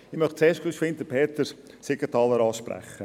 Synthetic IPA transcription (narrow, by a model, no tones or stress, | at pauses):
ɪmœχtt͡seːʃtkʰlyʃfɪnt̪əpʰeːt̪əɾsekətɑːləɾɑːʃpɾæ̰χːə